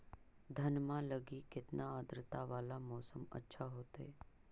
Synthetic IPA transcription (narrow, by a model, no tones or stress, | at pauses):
d̪ʱɐnmãləɡikɪt̪naaːd̪ɾɪt̪aʋaːlamɔːsəmɐ̰tːʃʰaɦoːt̪ḛː